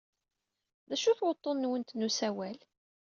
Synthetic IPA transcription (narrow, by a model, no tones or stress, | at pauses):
ðæʃuθwət̪ˤːonːwənt̪nusæwæl